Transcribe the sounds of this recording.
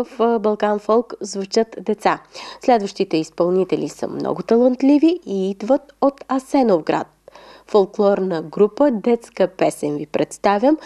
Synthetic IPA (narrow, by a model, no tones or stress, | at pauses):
əfbɐlˠkanfɔlˠkzvut͡ʃət̪d̪ɛt̪saslɛd̪vəʃt̪it̪ɛispɐlˠnit̪ɛlʲisə̰mnɔ̰ɡʊt̪ɐlˠənt̪lʲiviiid̪vət̪ot̪ɐsɛnovɡɾa̰t̪̚folˠklˠɔɾnəɡɾupəd̪ɛt̪skəpɛsɛnvipɾɛt̪st̪avʲjəm